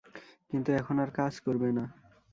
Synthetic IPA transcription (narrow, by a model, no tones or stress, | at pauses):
kint̪uɛkʰonaɾkad͡ʑkoɾbena